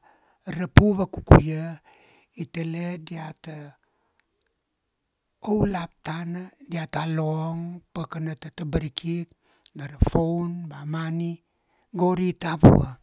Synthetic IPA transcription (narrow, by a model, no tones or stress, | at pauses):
ɾapuβakukṵja | itelediata | owlap̚tanadiataloŋpakanatatabaɾikʰik̚ | naɾafownbamani | ɡoɾitaβṵa̰